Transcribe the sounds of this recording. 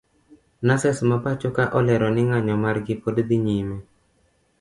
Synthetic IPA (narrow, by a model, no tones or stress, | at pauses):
nasɛsmapat͡ʃokaʔɔlɛɾɔnɪŋaɲɔmarɡɪpodd̪iɲime